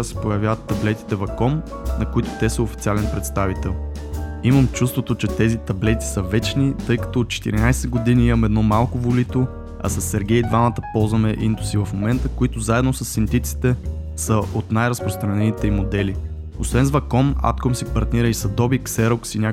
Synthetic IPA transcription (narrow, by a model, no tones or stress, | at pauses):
sɛ̥pojɐvjavət̪ːɐblɛt̪i̥t̪ɛvɐkɔm | nɐkoit̪ʊ̥t̪ɛsəofit̪sialɛnpɾɛt̪st̪avit̪ɛlˠ | iməmt͡ʃust̪vot̪ot͡ʃɛt̪ɛzit̪ɐblɛt̪i̥səvɛt͡ʃnit̪ɤjkɐ̥t̪ɔot̪̚t͡ʃɛ̥t̪ḭɾinajsɛɡod̪iniimɐmɛd̪nɔmalˠkʊvolit̪o | ɐ̰sɐsːɛɾɡʲɛjid̪vamət̪əpɔlˠzvɐmɛʔind̪ʊ̥sivɐfmomɛnt̪əkoit̪ʊzaɛd̪nosɐsːint̪it̪si̥t̪ɛ | səʔot̪najɾɐspɾost̪ɾɐnɛnit̪ɛimod̪ɛli | osvɛnzvɐkɔma̰t̪komsipɐɾt̪niɾəisɐd̪ɔbiksɛɾoksinʲa